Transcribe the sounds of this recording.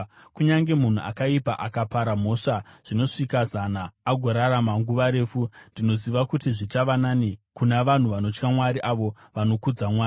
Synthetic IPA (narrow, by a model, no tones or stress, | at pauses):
kuɲaŋɡe̞mun̤uʔa̰kaipa̰ʔakapaɾam̤o̞ʂaʐ̥ino̞ʂikazanaːɡʱo̞ɾaɾamaŋɡuʋaɾe̞ːfundino̞ziʋakutiʐit͡ʃaʋananikunaʋan̤uʋano̞t͡ʃkamwaɾiʔaʋo̞ | ʋano̞kud͡zamwaːi